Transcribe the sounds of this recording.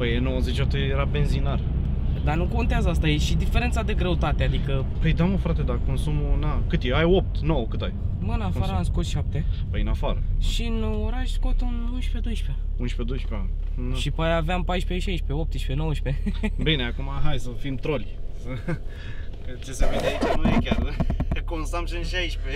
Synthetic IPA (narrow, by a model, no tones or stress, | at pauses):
pəjenowəzet͡ʃat̪ujeɾabe̞nzinar | d̪anuko̞nt̪eazəast̪ajeʃid̪ifeɾe̞nt̪sad̪e̞ɡɾe̞ut̪at̪ead̪ikə | pəjd̪aməfɾat̪ed̪ako̞nsumunakɨt̪eajop̚t̪nowəkɨt̪a̰j | mɨnafaɾənskot̪ʃap̚t̪epəjnafaɾəʃinuoɾaʃskot̪ununʃped̪ojʃpea | unʃped̪ojʃpea | ʃipajaveampajʃpeʃejʃpeop̚t̪iʃpenowʃpebineakumaɦajsəfimt̪ɾolʲsə | kət͡ʃeseved̪eait͡ʃanujekʲarkõnsamʃɨnʃejʃpe